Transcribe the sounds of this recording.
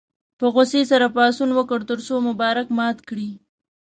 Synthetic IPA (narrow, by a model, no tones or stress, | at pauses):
pəɣʊsesaɾapɑsunwəkəɽt̪əɾsomʊbɑɾakmɑt̪kɽi